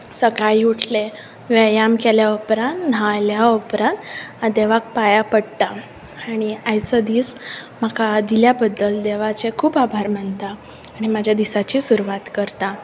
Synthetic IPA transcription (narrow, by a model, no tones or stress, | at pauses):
səkajiuʈʰle | ʋejamkeljaəpɾãnt̪najljaəpɾãnt̪ad̪eʋak̚pajapəɽt̪a | aɽ̃iajt͡səd̪iːsm̤akad̪iljabəd̪ːəld̪eʋat͡sekʰuːpabʱaɾmant̪aː | ɽ̃imad͡ʑʱjad̪isat͡ɕiːsuɾuʋat̪kəɾt̪a